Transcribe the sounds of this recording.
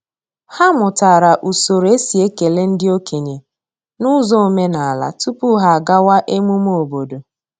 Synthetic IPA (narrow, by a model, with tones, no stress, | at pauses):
ha˦mʊ˨ta˨ɾa˨ʔu˨so˨ɾe˦si˨e˦ke˨le˦n̩˦dɪ˦o˦kʰe˨ɲe˨ | nʊ˦zɔ˦o˨me˦na˨a˨la̰˨tu˦pʊ˦ɦa˨a˨ɡa˦wa˦ʔe˦mu˦m˦o˨bo˨do˨